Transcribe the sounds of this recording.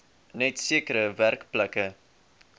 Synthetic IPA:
nɛtsiəkəɾəværkpləkə

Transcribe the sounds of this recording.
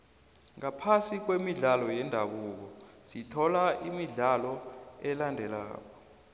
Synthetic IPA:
ŋapʰasik̬wemiɮalɔjɛndʱaɓuk̬ɔsitʰɔlaʔimiɮalɔɛlandʱɛla̰ːk̬ɔ

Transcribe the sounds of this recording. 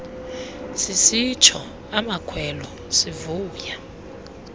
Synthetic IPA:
sisit͡ʃʰɔ | amakʰwɛlɔ | sivuːja

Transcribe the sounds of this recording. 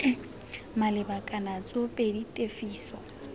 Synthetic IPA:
malɪbakʼanat͡sʼopʼeditʼefiːsɔ

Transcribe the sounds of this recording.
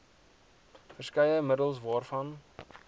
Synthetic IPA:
fərskɛjəmədəlˠsvɑːrfɐn

